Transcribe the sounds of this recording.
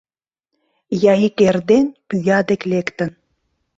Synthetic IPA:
jɑikerd̪enpyjɑd̪eklekt̪ə̆n

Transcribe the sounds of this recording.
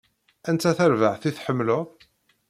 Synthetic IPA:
ænt̪æθæɾvəʕθiθħəmːlʊ

